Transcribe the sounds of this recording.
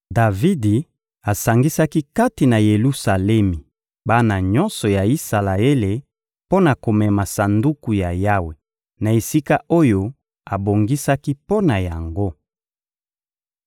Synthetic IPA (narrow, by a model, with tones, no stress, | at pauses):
da˨vi˦di˨ | a˨sa˨ŋɡi˦sa˦ki˦ka˦ti˨na˨je˨lu˦sa˨lɛ˦mi˨ | ba˦na˨ɲɔ̃˦nsɔ˨ja˨i˦sa˨la˨e˦le˨ | po˦na˨ko˨mɛ˨ma˨sa˨ndu˦ku˨ja˨ja˦we˨ | na˨e˨si˦ka˦ʔo˦jo˦ | a˨bo˨ŋɡi˦sa˦ki˦po˦na˨ja˨ŋɡo˦